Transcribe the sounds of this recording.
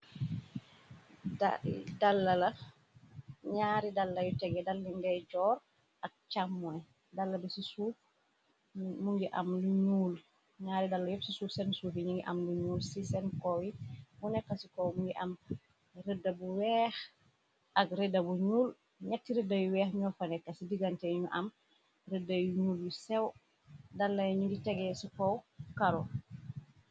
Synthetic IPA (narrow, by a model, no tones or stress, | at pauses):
dalːɐlɐ | ɲaːɾidalːɐjutɛɡɛdalːiŋɡɛɟɔːɾ | ɐk̚t͡ʃamːwɛ | dalːɐbisisuː | muŋɡiʔɐ̰mluɲuːl | ɲaːɾidalːɐjɔfsisusɛnsuːfiɲiŋɡiʔɐ̰mluɲuːlsisɛnkɔwibunɛkːɐsikɔwmuŋɡiʔɐm | redːɐbuwɛːx | ʔɐkɾedɐbuɲuːl | ɲak̚tːiɾɛdɐjuwɛːxɲɔfɐnɛkːɐsidiɡɐntɛɲuʔɐm | ɾedɐjuɲuːljusɛw | dalːɐjɲuɡitɛɡɛsikɔwkaɾɔ